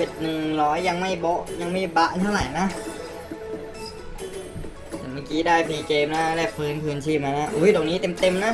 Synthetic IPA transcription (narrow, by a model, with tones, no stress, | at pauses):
e˨˩t̪̚nɯ˨˩ŋlɔː˦˥jːa˧ŋma˥˩jbɔ˧˥ʔja˧ŋmaː˧˥˩jba˧ʔt̪ʰa˧˥˩wla˨˩jna˦˥ | t̪ɛ˧˩maː˧˩kiː˦˥daː˥˩jpʰiː˧˩keː˧mna˦˥lɛ˦˧˩pʰɯː˧˥˩nkʰɯː˧nt͡ɕʰiː˧˩p̚maː˧na˦˥ʔu˧˦˥jd̪ɔː˨˩ŋniː˦˥t̪e˧mt̪e˧mna˦˥